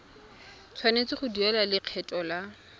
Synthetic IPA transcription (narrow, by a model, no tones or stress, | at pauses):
t͡sʰwanet͡sɪχʊdiɛlalɪq͡χʰɛtʼɔla